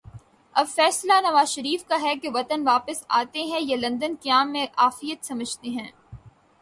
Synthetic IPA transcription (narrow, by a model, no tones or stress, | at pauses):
ɐbfɛːslanɐʋaːzʃɐɾiːfkaɦɛkeʋɐt̪ənʋaːpəsaːt̪eɦɛ̃jalɐ̃nd̪ənkaːmːẽʔaːfijət̪sɐməd͡ʒʱt̪eɦɛ̃ː